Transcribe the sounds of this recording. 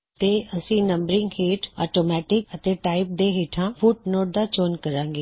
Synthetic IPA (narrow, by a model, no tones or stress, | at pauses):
t̪eːəsĩːnəmbəɾɪ̃ŋɡheːʈʰɔ̰ːʈoːmɛːʈɪkət̪eːʈaːɪp̚d̪eːɦeːʈʰãːpʰuːʈ̚noːʈ̚d̪aːt͡ʃoːnkəɾãːŋɡeː